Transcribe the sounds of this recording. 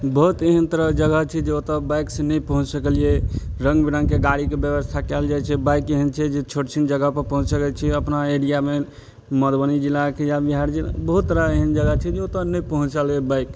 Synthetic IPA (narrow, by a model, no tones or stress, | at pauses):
bəɦut̪eɦənt̪əɾəd͡ʒəɡəɦt͡ʃʰɛd͡ʒeot̪əbajksenəpəɦũt͡ʃsəkəlieɾəŋɡbiɾə̃ŋkeɡaɽikebjəbəst̪ʰakɛld͡ʒajt͡ʃʰɛbajkeɦənt͡ʃʰɛd͡ʒet͡ʃʰoʈt͡ʃʰind͡ʒəɡəpəɾpəɦũt͡ʃsəkɛt͡ʃʰɛəpnaeɽijame | məd̪bənid͡ʒilakejabiɦaɾd͡ʒila̰bəɦut̪ːəɾaeɦənd͡ʒəɡət͡ʃʰɛd͡ʒeot̪ənəjpəɦũt͡ʃalɡɛbajk